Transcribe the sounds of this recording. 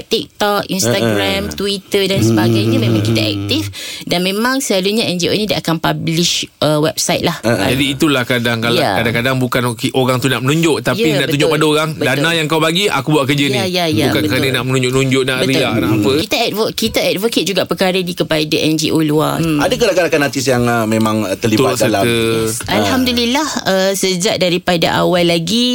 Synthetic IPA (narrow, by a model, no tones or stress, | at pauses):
t̪ik̚t̪ɔk̚ḭnsst̪aɡɾamt̪uit̪ədansəbaɡajɲamẽmãŋkit̪aʔɛ̰k̚t̪ifdanmẽmãŋsəlaluɲaɛnd͡ʒio̰nĩdaʔakanpabliʃʔəwɛp̚sajt̪̚lahd͡ʒadiːt̪ulahkadaŋkaljaakadaŋkadaŋbukanokeʔoɾaŋt̪unaʔmənuɲd͡ʒoʔt̪ajinaʔtt̪uɲd͡ʒʊʔpadaoɣaŋbədanajaŋkawpaɡia̰kubuaʔkəd͡ʒəjnijajabkanbətkəɾanənaʔmənũɲd͡ʒʊʔ̚nuɲd͡ʒʊʔnaʔbəɾianaʔapəkit̪aɛtvoʔkit̪aɛdvokət̪̚d͡ʒuɡaʔpəkaɾənikəpadaʔɛnd͡ʒiʔoluaadakəlakalakanat̪isjaŋmẽmãŋt̪əliubatsəlaəalhamdulilahəsəd͡ʒaʔdaɾipada̰ʔa̰walːaɡi